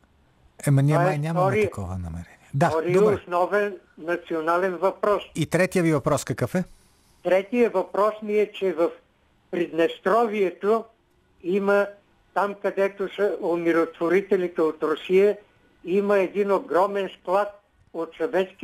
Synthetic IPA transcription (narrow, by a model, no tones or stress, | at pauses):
ɛmɐnʲamɐnʲamt̪ɐkɔvɐ̰nɐ̰mɛɾɛniɛd̪aɔɾdioɛsnɔvɛnː | ɐt̪sionalɛnvɐpɾɔsit̪ɾɛt̪ijəvivɐpɾɔskɐkəfɛ | t̪ɾɛt̪ijəvɐpɾɔsniɛt͡ʃɛvəf | pɾid̪nɛst̪ɾɔviɛt̪o | imə | t̪amkɐd̪ɛt̪osəomiɾot̪voɾit̪ɛlit̪ɛot̪ɾʊsijə | iməɛd̪inoɡɾɔmɛnsklˠat̪̚ | ot̪sɐvɛt̪sk